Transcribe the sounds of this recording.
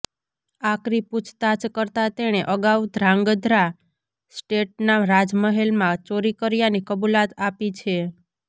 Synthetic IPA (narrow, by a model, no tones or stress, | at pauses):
akɾiput͡ʃʰt̪at͡ʃkəɾt̪at̪eɽ̃eʔəɡawd̪ʱɾãŋɡd̪ʱɾa | sʈeʈ̚naɾad͡ʒməɦelmãt͡ʃoɾikəɾijanikəbulat̪apit͡ʃʰe